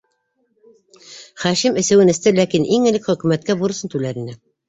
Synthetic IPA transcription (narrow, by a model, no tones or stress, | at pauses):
χæʃimɘ̆sɘ̆wɘnɘ̆st̪ɘlækinʔiŋɘ̆lɘkχɵ̆kʉmæt̪̚kæbuɾɤ̆sɤnt̪ʉlæɾinɘ